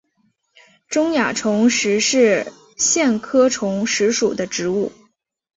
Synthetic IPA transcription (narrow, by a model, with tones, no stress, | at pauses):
ʈ͡ʂʊ˥ŋja˨˩ʈ͡ʂʰʊ˧˥ŋʂɻ̩˧˥ʂɻ̩˥˩ | ɕjɛ˥˩nkʰɤ˥ʈ͡ʂʰʊ˧˥ŋʂɻ̩˧˥ʂu˨˩d̪ə˦ʈ͡ʂɻ̩˧˥u˥˩